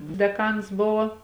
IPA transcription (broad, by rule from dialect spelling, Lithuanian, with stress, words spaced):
dʲɛˈkɐns ˈbʊʋoː